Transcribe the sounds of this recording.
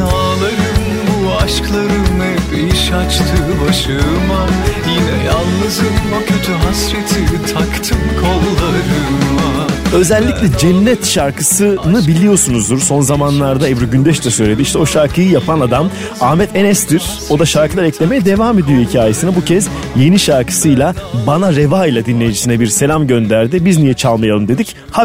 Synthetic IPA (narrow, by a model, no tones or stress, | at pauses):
a | lˠaɾɯm | bu | aʃklˠaɾɯnːɛbeiʃat͡ʃt̪ʰɯbaʃɯmajinɛjalˠnɯzɯmokʰod͡ʒaɦasɾet̪ʰit̪ʰakt̪ʰɯmkʰolˠlˠaɾɯma | ø̞zɛlʲːicʲlʲɛd͡ʒɛnːɛt̪ʃaɾkɯsɯnɯbilʲijo̞sunuzd̪uɾso̞nzamanlˠaɾd̪aɛvɾyɟynd̪ɛʃt͡ʃɛsø̞jlʲe̞d̪iʃt̪ɛo̞ʃaɾkʰɯjɯjapʰanad̪am | aːmɛt̪ʰenɛstd̪iɾ̥ | o̞d̪aʃaɾkʰɯlˠaɾɛclʲe̞mejɛd̪e̞vaːme̞d̪ijo̞hicʰaːje̞sinabucʰɛz̥ | je̞niʃaɾkʰɯ̥sɯjlˠabanaɾevaːjlˠad̪inlʲːejd͡ʒisinɛbiɾse̞lʲamɟø̞nd̪æɾd̪ibiznijɛt͡ʃʰalˠmajalˠɯmd̪e̞d̪ic | ha